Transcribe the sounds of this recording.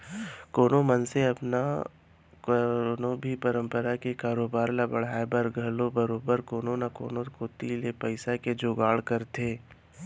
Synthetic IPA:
koːnomənseɐpna | nobʱipəɾə̃mpəɾakekaːɾoːbaːɾlabɐɽ̤aːebəɾɡʱɐlõbəɾoːbəɾkoːnonako̰ːnokoːt̪ilepɐɪsaked͡ʒoɡaːɭkəɾt̪ʰeː

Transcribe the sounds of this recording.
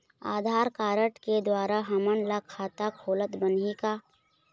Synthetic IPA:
aːd̪ʱaːɾkaːɾəʈked̪waːɾaɦəmənlakʰaːt̪akʰoːlət̪bənika

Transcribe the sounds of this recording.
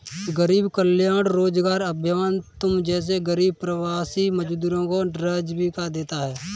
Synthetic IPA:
ɡəɾiːbkəljaːɽɾoːd͡ʒɡaːɾəbʱjəmaːnt̪ʊmd͡ʒɛːs̬eɡəɾiːb̚pɾəwaːsiməd͡ʒd̪uːɾõkoɾəd͡ʒbʱikad̪eːt̪aɦɛː

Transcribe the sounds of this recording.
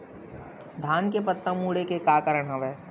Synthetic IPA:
d̪ʱaːnkepət̪ːəmuːɽekekaːkəɾəɽ̃ɦɐʋeː

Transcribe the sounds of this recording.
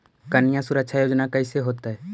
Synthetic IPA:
kənɪjãsʊɾəkʃʰajoːd͡ʒnakəiseɦoːt̪aɦɛː

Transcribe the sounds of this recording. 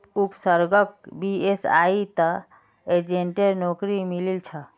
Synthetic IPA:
upsəɾɡək̚biesa̰it̪ə | ed͡ʒeɳʈeɾnokɾimililt͡ʃʰə

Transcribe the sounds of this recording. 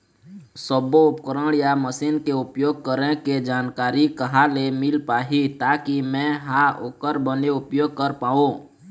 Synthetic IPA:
səboʊpkəɾəɽjaməsiːnkeʊpjoːɡ̚kəɾẽked͡ʒaːnkaːɾikəɦalemɪlpaːɦit̪aːkimɛ̃ɦaoːkəɾbəneʊpjoːɡ̚kəɾpaːõ

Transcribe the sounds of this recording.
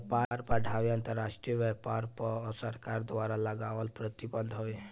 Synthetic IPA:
paɾpaɖʱaʋjə̃nt̪əɾːaʂʈɾijəʋɛpaɾpsəɾkaɾd̪ʋaɾaləɡaʋəlpɾət̪ibənd̪ʱɦoʋe

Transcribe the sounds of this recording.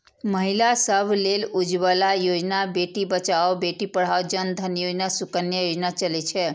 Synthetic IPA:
məɦilasəbʱlelud͡ʒʋəlajod͡ʒnabeʈibət͡ʃaobeʈipəɽ̤aod͡ʒənd̪ʱənjod͡ʒnasukənjəjod͡ʒnat͡ʃəlet͡ʃʰe

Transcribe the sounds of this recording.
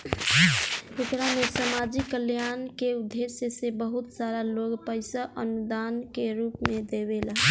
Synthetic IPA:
ʊkɾamesamad͡ʒikːəljaːnkeʊd̪ːesjesebəɦʊt̪saɾaloːɡpəɪsaʔənud̪aːnkeɾuːpmẽd̪ebelaɦ

